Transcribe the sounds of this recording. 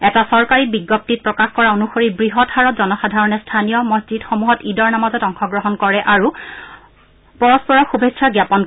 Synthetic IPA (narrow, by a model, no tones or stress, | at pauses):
ɛtasɔɹkaɹibiɡːɔp̚tit̚pɹɔkaxkɔɹaonuxoɹibɹiɦɔthaɹɔtzɔnɔxadʱaɹɔnɛstʰanijɔmɔszidxomuɦɔtidɔɹnamazɔtɔŋxɔɡɹɔɦɔnkɔɹɛʔaɹu | pɔɹɔspɔɹɔxubʱesʰaɡjapɔn